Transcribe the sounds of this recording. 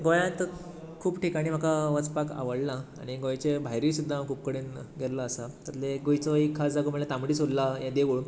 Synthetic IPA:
ɡojãt̪ | kʰuːpʈikaɽ̃im̤akaʋət͡spaka̰ʋəɽlaa̰ɽ̃iɡõjt͡ɕebʱajɾiːsud̪ʱːakʰuːp̚kəɽenɡʱeɾlaːsat̪əɾleɡojt͡sɔikʰːasd͡zaɡum̤əlat̪ãmɽiːsollajãd̪eʋuɭ

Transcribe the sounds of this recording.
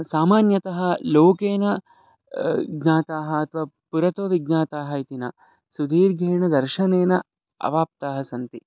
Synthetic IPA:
saːmaːnjɐt̪ɐɦɐloːkeːnɐ | ɡnaːt̪aːɦɐɐt̪ʰʋaːpuɾɐt̪oːʋiɡ̚naːt̪aːɦɐit̪inɐ | sud̪iːɾɡʱeːɳɐd̪ɐɾʃɐneːnɐ | ɐ̰ʋaːp̚t̪aːɦɐsɐnt̪i

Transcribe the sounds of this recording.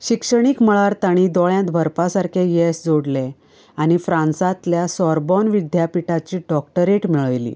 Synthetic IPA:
ɕikʂəɽ̃ikməɭaɾt̪aɽ̃id̪ɔɭjãt̪bʱəɾpasaɾkʰejesd͡zoɽle | añifɾãnsat̪ljasɔɾbɔnʋid̪ʱjapiʈat͡ɕiːɖɔkʈəɾeʈmiɭəʋlḭː

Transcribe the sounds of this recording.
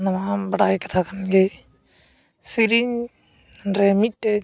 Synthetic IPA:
nɐmabɐɽaːikɐt̪ʰakɐnɡe | siɾiɲ | ɾemiʈːe

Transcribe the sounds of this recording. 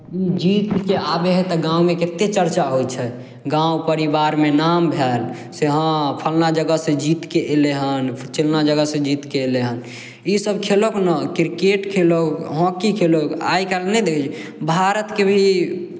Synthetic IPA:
id͡ʒit̪keabeɦɛt̪ɔɡãumeket̪et͡ʃəɾt͡ʃaɦot͡ʃʰɛ | ɡãupəɾibaɾmenambʱel | seɦə̃pʰəlnad͡ʒəɡəsẽd͡ʒit̪keʔleɦənt͡ʃelnad͡ʒəɡəsẽd͡ʒit̪keleɦən | isəbkʰeloknɔkiɾkeʈkʰelokɦõkikʰeloka̰ikalnɛd̪ekʰt͡ʃbʱaɾət̪kebʱii

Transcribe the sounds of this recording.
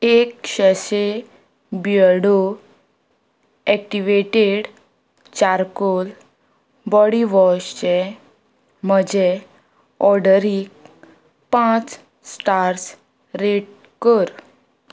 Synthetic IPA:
ekɕəɕe | bjəɽo | ɛk̚ʈiʋeʈeɽ | t͡ɕaɾkol | bɔɽiʋɔɕt͡ɕe | m̤əd͡ʑe | ɔɾɽəɾik | pãt͡s | sʈaɾs | ɾeʈ̚ | kəɾ

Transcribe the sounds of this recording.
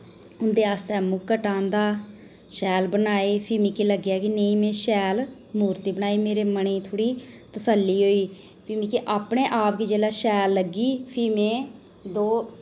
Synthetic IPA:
ʊnd̪eːaːst̪ɛːmũːkəʈãːnd̪aː | ʃɛːlbənaːeːpʰɪmĩːkiləɡjaːkinəĩːmɛ̃ːʃɛːl | muːɾt̪iːbənaːiːmeːɾeːməɳeːt̪ʰoːɽiːt̪əsəlːiːɦoːiːpʰɪmĩːkiʔaːpɳẽːʔaːpkid͡ʒeːlaːʃɛːlːəɡiːpʰiːmɛ̃ː | d̪oː

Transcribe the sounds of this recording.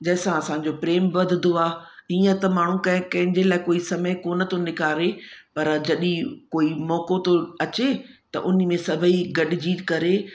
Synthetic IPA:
d͡ʑɐːɪsãɐsãːɲ̆d͡ʑopɾeːmbʋɐd̪ʱɪd̪oaːiːə̃t̪ɐmaːɳ̤ũkɐ̃ɦɪ̃kɐ̃ɦɪ̃ɲd͡ʑelaːɪkoːisɐməkonɐt̪õnɪkaːɾepɐɾd͡ʑɐɗĩkoːimɔːkot̪oɐt͡ɕet̪ɐ̰ʔʊn̆mẽsɐbʱəiɡɐɗɪd͡ʑiːt̪kɐɾe

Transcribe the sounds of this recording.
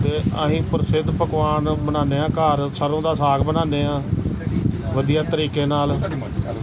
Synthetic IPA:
t̪eːə̰ɦĩːpəɾsɪd̪pəkʋaːnbənaːneːãːkaːɾsəɾõːd̪aːsaːɡbənãːneːãː | ʋəd̪ijaːt̪əɾiːkeːnaːl

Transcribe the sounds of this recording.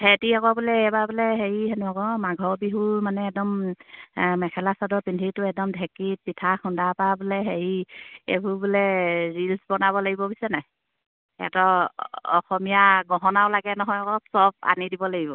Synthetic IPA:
hetiakɔbulɛɛbabulɛɦeɹiɦenuakɔmaɡʱɔbiɦumanɛːk̚dɔm | mɛkʰɛlasadɔpindʱitʊɛk̚dɔmdʱɛkit̚pitʰaxundapabulɛɦeɹiḛbubulɛɹilsbɔnabɔlaɡibɔbisɛnaj | ɛ̰tɔɔ̰xɔmijaɡɔɦɔnaʊlaɡɛnɔɦɔjɔkɔsɔb̚a̰nidibɔlaɡibɔ

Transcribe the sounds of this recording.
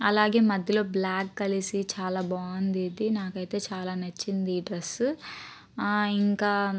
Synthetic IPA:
ɐlaːɡe̞ːmɐd̪ʱjɐlo̞ːblaːkːɐlisit͡ʃaːlaːbaːɐnd̪id̪inaːkɐjt̪e̞ːt͡ʃaːlaːnɐt͡ʃːind̪iʈɾɐs | iŋkaː

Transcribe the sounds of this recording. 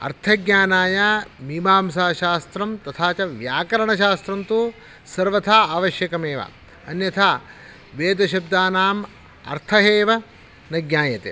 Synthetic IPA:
ɐ̰ɾt̪ʰɐɡɲaːnaːjamimaːmsaːʃaːst̪ɾɐmt̪ɐt̪ʰaːt͡ʃɐʋjaːkɐɾɐɳɐʃaːst̪ɾɐnt̪u | sɐɾʋɐt̪ʰaːaːʋɐʃjɐkɐmeːʋa̰ | ɐnjɐt̪ʰaː | ʋeːd̪ɐʃɐb̚d̪aːnaːm | ɐ̰ɾt̪ʰɐɦeːʋɐ | nɐɡɲaːjɐt̪ḛː

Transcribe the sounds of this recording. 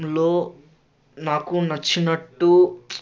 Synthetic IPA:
loː | naːkunɐt͡ʃːinɐʈːu

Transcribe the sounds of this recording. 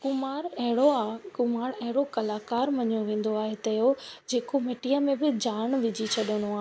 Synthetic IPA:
kʊmaːɾɐɦɪɽoakʊmaːɽɐɦɪɽokɐlaːkaːɾmɐɲoʋẽːn̆d̪oaːɦet̪ɐjod͡ʑeːkomeʈijəmẽbɪd͡ʑaːɽ̃ʋɪd͡ʑit͡ɕʰɐɗəñoaːɦ

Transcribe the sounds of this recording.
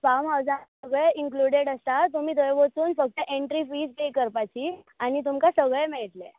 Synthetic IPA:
famawd͡zaəɡɭeiŋkluɽeɽəst̪at̪um̤iːd̪əjʋət͡suːnfək̚t̪əʔeɳʈɾifiːd͡zpekəɾpat͡ɕi | añit̪umkasəɡɭemeɭʈle

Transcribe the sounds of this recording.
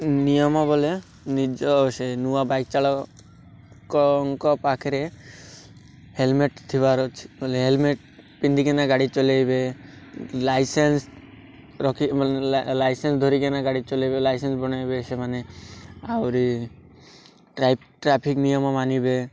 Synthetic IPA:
nijɔmɔbɔle | nid͡ʒɔsenuabajk̚t͡ʃaɭɔ | kɔŋkɔpakʰeɾe | helmeʈt̪ʰiβaɾɔt͡ʃʰi̥bɔleɦelmeʈ | pind̪ikenaɡaɽit͡ʃɔlajbe | lajsens | ɾɔkʰilajsensd̪ʱoɾikenaɡaɽit͡ʃɔlajbelajsensbɔñajbesemaneawɾi | ʈɾajp̚ʈɾapʰiknijɔmɔmanibe

